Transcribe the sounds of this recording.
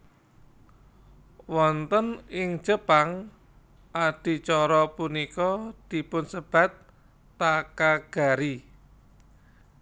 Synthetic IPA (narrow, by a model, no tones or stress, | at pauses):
wɔnt̪ənɪŋ̥ʒ̥əpaŋ | ʔaɖ̥i̤t͡ʃɔɾɔpunikɔd̪̥i̤pʊnsəb̥a̤t̪̚ː | akaɡ̥a̤ɾi